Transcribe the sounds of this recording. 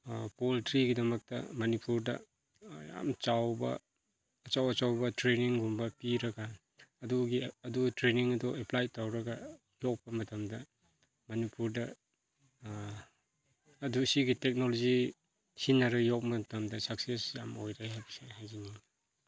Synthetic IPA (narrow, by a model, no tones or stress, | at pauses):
poltɾiɡidɐmɐk̚tɐ̰mɐnipuɾdɐ̰ | ja̰mt͡ʃawbɐ̰ː | t͡ʃawɐt͡ʃawbɐtɾeniŋɡumbɐpiɾɐɡaː | duɡiɐdutɾeniŋɐdɔeplajtawɾɐɡɐ | jɔk̚pɐmɐtɐmdɐ | mɐnipuɾdɐ | dusiɡitek̚nolozi | sinːaɾɐjɔk̚mɐtɐmdɐsak̚sesjamojɾajɦajbiseɦajzini